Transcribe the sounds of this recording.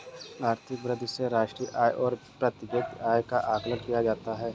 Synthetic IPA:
aːɾt̪ʰɪk̚bɾəd̪ʱseɾaːʃʈɾiːʔaːjʔɔːɾpɾɐt̪ɪɡet̪aːjkaʔaːklənkijad͡ʒaːt̪aɦɛː

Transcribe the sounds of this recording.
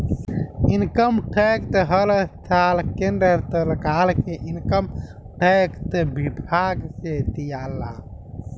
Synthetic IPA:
inkəmʈʰeːkt̪eɦəlt̪ʰaːlkendəɾt̪əlkaːlkeʔinkəm | ʈekt̪əbibʱaːɡset̪ijaːlːaː

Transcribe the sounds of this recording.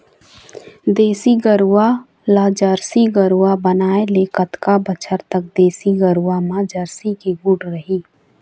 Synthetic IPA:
d̪eːsiɡəɾuwa | laːd͡ʒəɾsiɡəɾuwabənaːelekət̪kabət͡ʃʰəɾt̪ək̚d̪eːsiɡəɾuwamãd͡ʒəɾsikiɡuʈɾəɦiː

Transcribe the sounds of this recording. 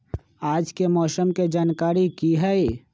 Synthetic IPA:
aːd͡ʒkemɔːsəmked͡ʒaːnkaːɾikiɦɛe

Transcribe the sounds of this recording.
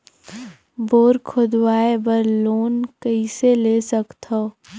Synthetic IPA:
boːɾkʰʊd̪waːebəɾloːnkɐiseleːsəkt̪oː

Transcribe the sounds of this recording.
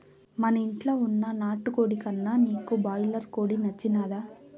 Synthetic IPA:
mɐnɐiɳʈloːunːɐnaːʈːukoːɽikɐnːaːniːkubaːjlɐɾkoːɽinɐt͡ʃːinaːd̪aː

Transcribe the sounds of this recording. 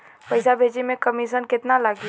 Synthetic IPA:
pəɪsabʱeːd͡ʒimẽkəmiʃənkɪt̪nalaɡi

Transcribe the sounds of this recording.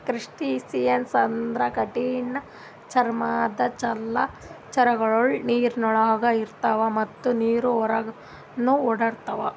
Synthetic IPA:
kɾiʂʈisijɐnsɐnd̪ɾɐkɐʈinːɐ | t͡ʃɐɾmaːd̪ɐt͡ʃɐlːɐ | t͡ʃɐɾɐɡɐɭoɭniːɾnɔɭaːɡɐiɾt̪ɐʋɐmɐt̪ːuniːɾuɔɾɐɡ | nuɔɽɐɾt̪ɐʋɐ

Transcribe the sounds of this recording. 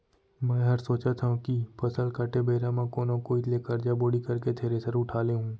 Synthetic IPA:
mɛ̃ːɦɐɾsoːt͡ʃat̪ʰãkipʰɐsəlkaʈebeːɾamãkoːnõkoileːkɐɾd͡ʒaboːɽikɐɾket̪ʰeːɾesəɾʊʈʰaːleɦũː

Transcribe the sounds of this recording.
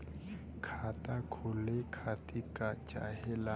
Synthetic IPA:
kʰatʼakʰʊlekʰatʼikʼat͡ʃa̰hɛla

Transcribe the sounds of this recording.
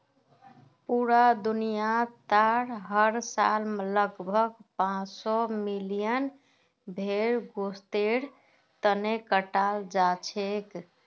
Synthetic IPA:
puɾad̪unijat̪aɾɦəɾsa̰lmləɡbʱəɡpãt͡ʃsɔmilijən | bʱeɾɡost̪eɽ | t̪ənekəʈald͡ʒat͡ʃʰek

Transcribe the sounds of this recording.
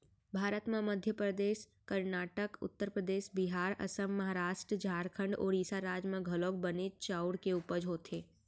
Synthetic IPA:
bʱaːɾət̪mẽməd̪ʱjəpɾəd̪eːʃ | kəɾnaːʈəkʊ̰t̪ːəɾpɾəd̪eːʃbɪɦaːɾɐ̰səmːɐɦaɾaːʃʈɾəd͡ʒaːɾkʰə̃ɳɖo̰ːɾiːsaɾaːd͡ʒmẽɡʱɐloːk̚bənet͡ʃaːʊɽkeuːpəd͡ʒʱɦoːt̪ʰeː

